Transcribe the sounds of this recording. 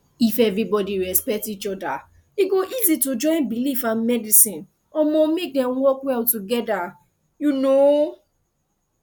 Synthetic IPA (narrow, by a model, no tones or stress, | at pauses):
ifɛvɹibɔdiɹɛspɛk̚tit͡ʃɔda | iɡoʔizitud͡ʒɔ̃ɪ̃nbilifãnmɛdisĩn | ɔmɔmek̚dɛ̃mwɔkwɛltuɡɛda | juno